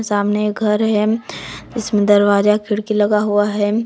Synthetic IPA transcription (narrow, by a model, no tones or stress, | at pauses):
saːmneeɡʱɐɾɦɛd͡ʒɪsmẽd̪ɐɾwaːzakʰɪɽkilɐɡaɦuaɦɛː